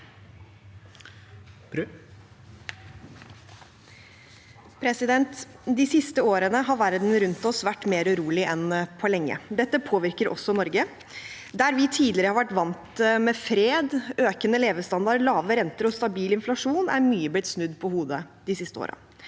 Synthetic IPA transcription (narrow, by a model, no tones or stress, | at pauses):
pʰɾɛsɪd̪ɛnt̪d̪ɪsɪst̪əoːɾənəɦɑɾʋæɾd̪n̩ɾʉnt̪ɔsʋæʈːmeːɾʉɾuːlɪʔɛnpʰɔlɛŋːə̰d̪ɛt̪ːəpʰoːʋɪɾkəɾʔɔ̰sːɔnɔɾɡə | d̪æɾʋɪt̪ʰiːd̪lɪɾəhɑɾʋæʈʋɑnt̪mɛfɾeːd̪øːkənəleːʋəst̪ɑnd̪ɑɾɭɑːʋəɾɛnt̪əɾɔst̪ɑbiːlɪnflɑʂuːnæ̰ɾmyːəblɪt̪snʉd̪ːpʰɔhuːd̪əd̪ɪsɪst̪əo̰ːɾə̰